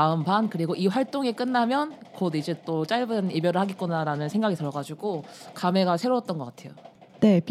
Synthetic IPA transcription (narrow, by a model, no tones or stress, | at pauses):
aɯmbankɯɾiɡoʔiɸwaɭt͈oŋek͈ɯnːamjʌnkʌdid͡ʑe̞t͈ot͡ɕ͈aɭbɯnibjʌɾɯɭhaɡik͈unaɾanɯnsʰe̞ŋɡaɡitɯɾʌɡad͡ʑuɡokame̞ɡasʰe̞ɾoʌt͈̚ʌnɡʌk͈atʰe̞jo | ne̞p